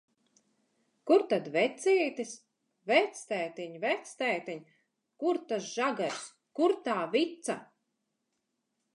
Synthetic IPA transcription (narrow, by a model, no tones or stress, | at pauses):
kuɾt̪ad̪vɛt̪sʲiːt̪is | vɛt̪st̪ɛjt̪iɲvɛt̪st̪ɛːt̪iɲ | kuɾt̪asʒ̥aɡaɾs | kuɾt̪aːvit̪sa